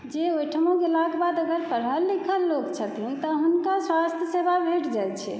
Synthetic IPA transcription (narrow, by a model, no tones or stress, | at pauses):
d͡ʒeojʈʰəmõkelaɡbad̪əɡəɾpəɾɦəlːikʰəlːoɡt͡ʃʰət̪ɦint̪ɔɦunkaswast̪ʰjəsebʱabʱeʈd͡ʒajt͡ʃʰɛ